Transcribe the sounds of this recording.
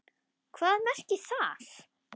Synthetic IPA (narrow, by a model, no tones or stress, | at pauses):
kʰvaːðmɛr̥cɪθaːθ